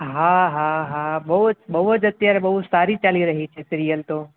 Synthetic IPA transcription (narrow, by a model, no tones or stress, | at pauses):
ɦãɦãɦabəɦutbəɦud͡ʒət̪jaɾebɐɦut̪saɾit͡ʃaliɾəɦit͡ʃʰesɪɾijəlt̪o